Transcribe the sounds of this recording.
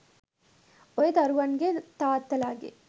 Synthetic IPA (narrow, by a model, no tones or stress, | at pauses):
ɔjet̪ɐɾuʋɐnɡet̪aːt̪ːɐlaːɡḭ